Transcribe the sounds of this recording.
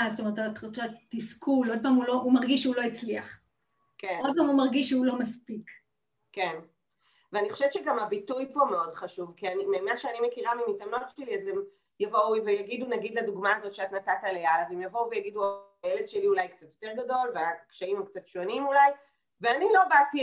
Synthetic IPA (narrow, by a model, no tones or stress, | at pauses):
ast̪ome̞ʁetttattiskulo̞d̚paːmulo̞umaʁɡiʃeulo̞it͡sliaχ | kenod̚pamumaʁɡiʃːeulo̞maspik | ken | veaniχo̥ʃevett͡ʃeɡamabitujpo̞meo̞dχaʃuvkianimemanʃeanimekiʁamimitamno̞tt͡ʃeliazem | javo̞uvejaɡidunaɡid̪laduɡmaːzo̞tʃeatnatatalealazemjavouvejaɡidua | jele̞dʃeliulajkt͡sat̪jo̞t̪eʁɡado̞lveakʃaimakt͡satʃonimulaj | veanilo̞bati